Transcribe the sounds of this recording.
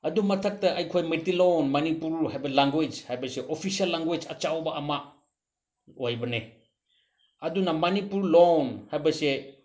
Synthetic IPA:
ɐdumɐtʰɐk̚tɐʔɐjkʰojmetilonmɐnipuɾhajbɐlaŋɡed͡ʒhajbɐseʔopʰisiɐlːaŋɡejd͡ʒɐt͡ʃawbɐʔːma | ojbɐne | ɐdunɐmɐnipuɾlonhajbɐse

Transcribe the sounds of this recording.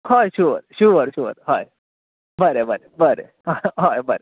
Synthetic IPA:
hɔjɕuɾɕuɾɕuə̰ɾhɔj | bəɾebəɾebəɾḛ | ɦajbəɾe

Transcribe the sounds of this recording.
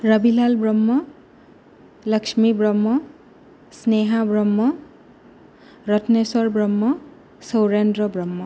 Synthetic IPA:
ɹʌbilalbɹɔmːɔ | lʌksmibɹɔmːɔ | sneɦabɹɔmːɔ | ɾʌtʰnesɔɹbɹɔmːɔ | sɔwɹendɾɔbɹʌmːɔ

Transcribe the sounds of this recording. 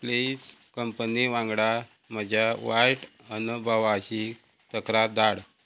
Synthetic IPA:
pleskəmpəniʋãŋɡɽa | məd͡ʑʱaʋajʈ | ənəbʱaʋaɕi | t̪əkɾad̪aɽ

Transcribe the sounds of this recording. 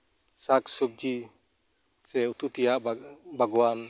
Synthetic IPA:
saksub̚d͡ʒi | sɛut̪ut̪ijaʔbʱaɡɔwan

